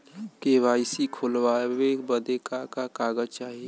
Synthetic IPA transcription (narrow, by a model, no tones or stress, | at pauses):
keʋaːɪsikʰoːlwawebəd̪ekakakaːɡəd͡ʒt͡ʃaːɦie